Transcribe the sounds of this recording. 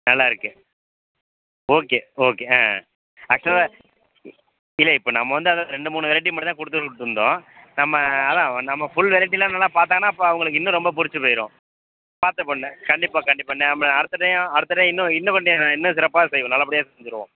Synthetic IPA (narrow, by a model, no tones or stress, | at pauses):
nɐlːaːɪɾɯkːɯ | oːkeːoːkːeã̰ː | ɐkt͡ʃːɐl | ɪlːɐɪpːoːnɐmːɐʋɐnd̪ɯɐðaːɾɛɳɖɯmuːnɯʋɛɾɐʈ̬ːimpɐɽɪt̪ãːkʊɽɯt̪ːɯʊɽɯt̪ɯɾɯnd̪õ̰ːnɐmːɐːðãːnɐmːɐfʊɭʋɛlɐʈ̬ːɪlːaːnɐlːaːpaːɾt̪aːŋɐnːaːpːoɐʋɐŋɡɐɭɯkːɪnːʊ̃ɾɔmbɐpʊɾɪt͡ʃːɯpoːjɪɾõ̰ː | paːɾt̪ːɐponːɛ̃kɐɳɖɪpːaːkɐɳɖɪpːaːɪnːɛ̃ɐmːɐɾɯt̪ːɯʈːɐjãɐɾɯt̪ːɐʈːj̃ːɪnːʊ̃ɪnːɐ̃kɔɳɖɪjnãːɪnːɐ̃sɪɾɐpːaːsɛjʋõnɐlːɐpɐɽɪjaːsɛɲd͡ʒɪɾɯʋõ̰ː